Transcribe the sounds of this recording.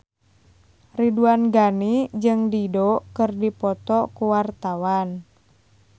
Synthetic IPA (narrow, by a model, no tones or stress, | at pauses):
riduanɡanid͡ʒɨŋdidokɨrdipɔt̪ɔkuwart̪awan